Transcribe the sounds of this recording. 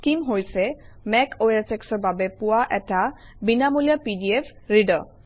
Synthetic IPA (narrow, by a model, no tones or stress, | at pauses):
kimɦojsɛ | mɛkʰoasɛksɔɹbabɛpʊwaʔɛtabinamulijapidiepʰɹidɔ̰